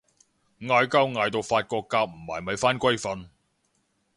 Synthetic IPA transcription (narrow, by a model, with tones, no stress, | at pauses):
ŋaː˧jkɐ˥wŋaː˨˧jt̪o˨wfaː˧t̚kɔː˧kːaː˧k̚m̩˨˩maː˨˩jmɐ˨˧jfaː˥nkʷɐ˥jfɐ˨˧n